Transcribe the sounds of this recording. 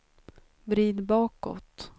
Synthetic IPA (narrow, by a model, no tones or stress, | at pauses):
vɾiːd̪bɑːkɔ̰t̪